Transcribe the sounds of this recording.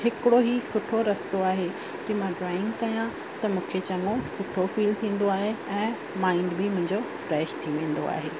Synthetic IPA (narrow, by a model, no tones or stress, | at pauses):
ɦɪkɪɽoɦisʊʈʰoɾɐst̪oaːɦe | kimãɖɾaːɪ̃ŋɡkɐjã | t̪ɐmũːkʰet͡ɕɐnosʊʈʰofiːlt̪ʰĩːn̆d̪oaːɦeɛ̃ː | mãːɪ̃ɳɖbɪmʊ̃ɦɪ̃ɲd͡ʑofɾɛːʃt̪ʰiʋẽːn̆d̪oa̰ːɦḛː